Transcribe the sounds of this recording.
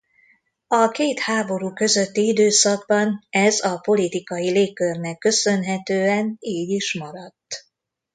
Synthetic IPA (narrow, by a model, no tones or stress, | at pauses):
ɒkeːt̪haːbo̞ɾuːkø̞zøt̪ːiid̪øːsɒɡ̚bɒnɛzɒpo̞lit̪ikɒjileːkːørnɛkːø̞sø̞nɦɛt̪øːɛniːɟiʃmɒɾɒt̪ː